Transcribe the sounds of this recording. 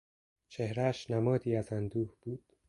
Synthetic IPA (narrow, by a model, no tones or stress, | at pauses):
t͡ʃʰe̞hɾæʃnæmɒːd̪iːæzænd̪uːhb̥uːd̪̥